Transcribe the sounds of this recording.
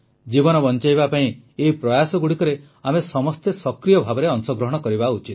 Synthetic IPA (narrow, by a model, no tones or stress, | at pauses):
d͡ʒibɔnɔbɔnt͡ʃajbapaĩ | eipɾɔjasɔɡuɽikɔɾe | amesɔmɔst̪esɔkɾijɔbʱabɔɾeɔŋsɔɡɾɔɦɔɽ̃ɔkɔɾibaut͡ʃit̪̚